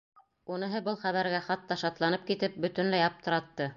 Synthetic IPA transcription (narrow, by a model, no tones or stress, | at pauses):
unɤ̆ɦɤbɤlˠχæβæɾɡæχɑt̪ːɑʃɑt̪lˠɑnɤp̚kit̪ɘp̚bɵ̆t̪ɘnlæjɑp̚t̪ʰɤ̆ɾɑt̪ːɤ